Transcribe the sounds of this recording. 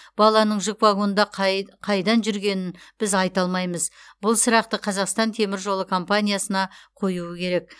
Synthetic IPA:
b̥ɑlˠɑnəɴʒɪkvaɡo̞nd̪ɑqqʰɑjd̪ɑnʒʏɾɡʲe̞nɪnb̥ɪzɑjt̪ɑlˠmɑjməzbʊlˠsəɾɑq̚t̪əqʰɑzɑqst̪ɑnt̪ʰe̞mɪɾʒo̞lˠəkʰo̞mpanʲijasənɑqʰo̞juəkʲʰe̞ɾe̞k̚

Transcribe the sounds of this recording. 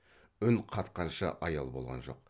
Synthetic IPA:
ʏnqʰɑt̪qɑnʃə̰ʔɑjɑlˠbo̞lˠʁɑ̰nʒo̞̰q̚

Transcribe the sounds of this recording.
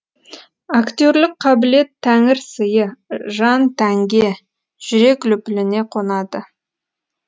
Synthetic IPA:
akt̪ʲoɾlɪk̚qʰɑbɪle̞t̪ʰːæŋɪɾsəjəʒɑnt̪ʰæŋɡʲe̞ | ʒ̥ʏɾe̞klʏpɪlɪne̞qʰonɑd̪ə

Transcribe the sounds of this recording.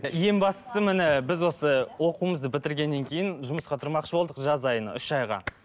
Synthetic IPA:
je̞mbɑst̪ə̥səmɪnɪbɪzwo̞səwo̞quəməzd̪əbɪt̪ɪɾɡʲe̞nːe̞ŋkʲʰe̞jɪnʒʊməsqɑt̪ʰʊɾmɑqʃəbo̞lˠd̪əqʒɑzɑjən̰ʏʃɑjʁɑ̰

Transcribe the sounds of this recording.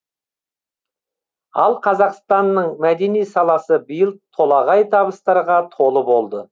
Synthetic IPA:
ɑlˠqʰɑzɑqst̪ɑnːəɴmæd̪e̞nijsɑlˠɑsəbijəlˠt̪ʰo̞lˠɑʁɑjt̪ʰɑβəst̪ɑɾʁɑt̪ʰo̞lˠəbo̞lˠd̪ə

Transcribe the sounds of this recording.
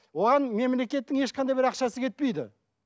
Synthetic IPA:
wo̞ʁɑnme̞mle̞kʲe̞t̪ːɪŋe̞ʃqʰɑnd̪ɑjbɪɾɑqʃɑsəkʲe̞t̪̚pe̞jd̪ɪ̰

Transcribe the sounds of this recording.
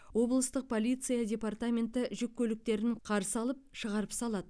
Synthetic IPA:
wo̞blˠəst̪əq̚pʰo̞lʲijt̪sɨjadʲe̞part̪amʲe̞nt̪ɪʒʏk̚ʲʰːɵlɪk̚t̪e̞ɾɪɴqʰɑɾsəɑlˠəp̚ʃəʁɑɾəpsɑlˠɑd̪ə

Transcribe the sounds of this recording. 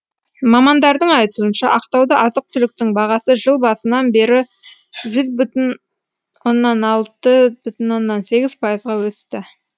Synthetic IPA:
mɑmɑnd̪ɑɾd̪əɴɑjt̪uənʃɑʔɑqt̪ɑwd̪əʔɑzəq̚t̪ʰʏlɪk̚t̪ɪŋbɑʁɑsəʒəlˠbɑsənɑnbe̞ɾɪ | ʒʏzbʏt̪ɪn | wo̞nːɑnɑlˠt̪əbʏt̪ɪnwo̞nːɑnse̞ɡʲɪzpʰɑjəzʁɑwɵst̪ɪ

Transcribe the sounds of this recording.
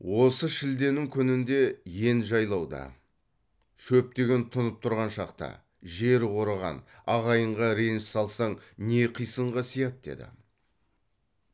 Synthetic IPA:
wo̞səʃɪld̪e̞nɪŋkʲʰʏnɪnd̪e̞je̞nʒɑjlˠɑwd̪ɑ̰ | ʃɵp̚t̪e̞ɡʲe̞nt̪ʰʊnəp̚t̪ʰʊɾʁɑnʃɑqt̪ɑ̰ | ʒe̞ɾwo̞ɾəʁɑ̰nɑʁɑjəɴʁɑɾenʃsɑlˠsɑɴne̞qʰijsəɴʁɑsijɑt̪̚d̪e̞̰d̪ɪ̰

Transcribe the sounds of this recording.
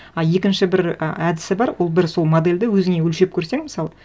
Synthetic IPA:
ɑje̞kʲɪnʃɪbɪɾə̰æd̪ɪsɪbɑɾwo̞lˠbɪɾso̞lˠmod̪e̞lʲd̪ɪwɵzɪŋe̞wɵlʃe̞p̚kʲʰɵɾse̞ŋmɪsɑlˠə

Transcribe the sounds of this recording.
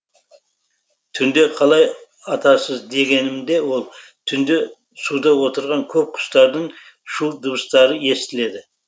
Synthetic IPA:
t̪ʰʏnd̪e̞qʰɑlˠɑj | ɑt̪ɑsəzd̪e̞ɡʲe̞nɪmd̪e̞wo̞lˠt̪ʰʏnd̪e̞ | sud̪ɑwo̞t̪əɾʁɑŋkʲʰɵp̚qʰʊ̥st̪ɑɾd̪əɴ | ʃud̪ʊbəst̪ɑɾəe̞st̪ɪle̞d̪ɪ

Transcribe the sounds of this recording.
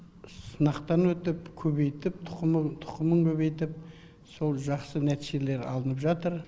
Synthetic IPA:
sənɑqt̪ɑnwɵt̪ɪpkʲʰɵβe̞jt̪ɪp̚t̪ʰʊ̥t̪ʰʊ̥qəməŋkʲʰɵβe̞jt̪ɪp̚ | so̞lˠʒɑqsənæt̪iʒe̞le̞ɾɑ̰lˠənəpʒɑt̪əɾ

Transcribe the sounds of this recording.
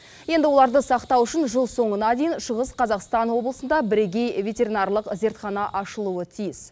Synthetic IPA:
je̞nd̪ɪwo̞lˠɑɾd̪əsɑqt̪ɑwʏʃɪnʒəlˠso̞ɴənɑd̪e̞jɪnʃəʁəsqʰɑzɑqst̪ɑnwo̞blˠəsənd̪ɑbɪɾe̞ɡʲe̞jvʲe̞t̪ʲe̞ɾinɑrlˠəqze̞ɾt̪χɑnɑʔɑʃəlˠuət̪ʰijɪs

